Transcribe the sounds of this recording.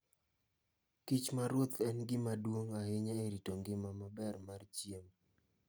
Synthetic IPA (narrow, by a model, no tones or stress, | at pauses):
kit͡ʃmaɾwot̪ɛnɡɪmadwoŋaɦɪɲaeɾitoŋɡɪmamabɛrmart͡ʃjem